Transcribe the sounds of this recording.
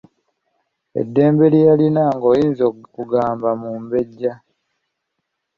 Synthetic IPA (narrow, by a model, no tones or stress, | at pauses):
ḛdːe̞ːmbe̞lijalinaŋɡoːjiːnzokuɡaːmbamuːmbe̞ɟːa